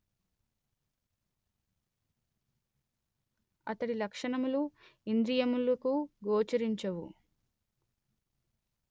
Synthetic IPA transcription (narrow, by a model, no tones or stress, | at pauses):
ɐ̰t̪ɐɽilɐkʂɐɳɐmuluind̪ɾijɐmulɐkuɡoːt͡ʃɐɾiɲt͡ʃɐwṵ